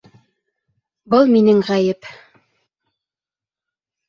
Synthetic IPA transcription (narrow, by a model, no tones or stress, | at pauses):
bɤlˠminɘŋʁæjɘp